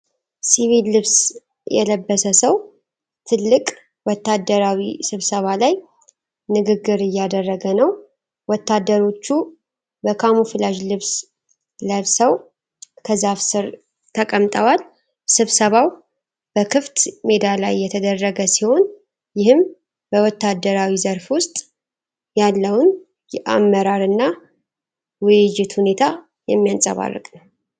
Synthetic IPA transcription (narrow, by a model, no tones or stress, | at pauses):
siβilːɨβs | jɛ̰ləbːəsəsəw | t̪ʰɨlːɨkʼ | wɔt̪ːad̪ːəɾawisɨβsəβalaj | nɨɡɨɡɨɾɨjːad̪ərːəɡənəw | wɔt̪ʰːad̪ːəɾo̞t͡ʃːu | bəkʰamufɨlaʒlɨβs | ləβsəw | kʰəzafsɨɾ | t̪ʰəkʼəmt̪ʼəwal | sɨβsəβaw | b̥əkʰɨft̪me̞d̪ala̰jːɛt̪ʰəd̪ərːəɡəsiho̞n | jɪhɨm | b̥əwɔt̪ːad̪ːəɾawizəɾfwʊst̪ʼ | jalːəwn | ʔamːəɾaɾɨnːa | wɨjɪjɪt̪hune̞t̪ʰa | jɛmːijansʼə̰βa̰rːɨ̰kʼnəw